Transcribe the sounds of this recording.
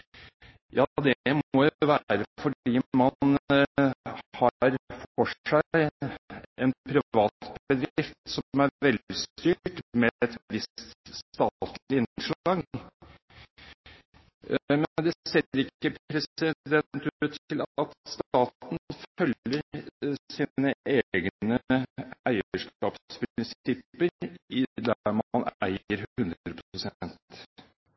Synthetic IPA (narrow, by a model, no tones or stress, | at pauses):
jɑd̪ɛmɔjʊʋæɾəfɔɖiːmɑn | hɑɾfɔʂæɪ | ɛnpʰɾɪʋɑːt̪bbəd̪ɾɪft̪sɔmæɾʋɛld̪ɪst̪yːʈmɛɛt̪ʋɪst̪st̪ɑt̪ɪnʂɑŋ | mɛd̪ɛseːɾɪkːəpʰpʰɾɛsɪd̪ɛnt̪ʉːt̪ʰɪlɑt̪st̪ɑːt̪n̩fœlːəɾsiːnəeːɡnəæɪəəʂkɑːppʰɾɪnsɪpːəɾɪd̪æɾmɑnæ̰ɪəɾhhʉnd̪ɾəpʰsɛnt̪